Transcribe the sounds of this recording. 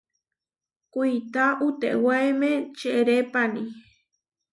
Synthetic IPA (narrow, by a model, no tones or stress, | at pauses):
kuit̪aʔut̪eʔwaemẽt͡ʃeʔɾepani